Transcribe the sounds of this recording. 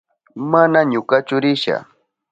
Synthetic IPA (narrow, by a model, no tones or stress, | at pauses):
manaɲʊkat͡ʃʊɾɪʃa̰